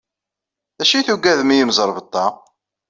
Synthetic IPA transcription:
ðæʃiθuɡæðmijəmzˤəɾˤvət̪ˤːɑ

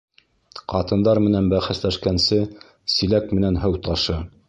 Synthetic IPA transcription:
qɑt̪ɤ̆nd̪ɑɾmɘ̆nænbæχæslæʃkænsɘ | silæk̚mɘ̆nænɦɤwt̪ɑʃɤ

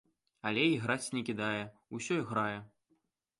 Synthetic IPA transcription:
ɐlʲɛiɣɾat͡sʲnʲɛkʲid̪ajɛ | usʲɔjɣɾajɛ

